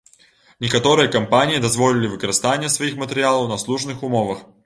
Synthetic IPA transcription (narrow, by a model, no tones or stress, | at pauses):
nʲɪkɐt̪o̞ɾɨjəkɐmpanʲɪjəd̪ɐzvo̞lʲɪlʲɪvɨkəɾɐst̪anʲɪjəsvɐixmətʲɪɾʲɪalˠəwnɐslˠuʐnɨxʊmovəx